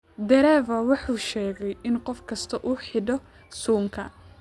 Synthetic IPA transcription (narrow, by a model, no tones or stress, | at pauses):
d̪ɛɾɛːvɐwɑħuːʃɛːɣɛjɪnqɔfkʰɐst̪ʰɐʔuːħɪɖɔ | suːŋkʰɐ̰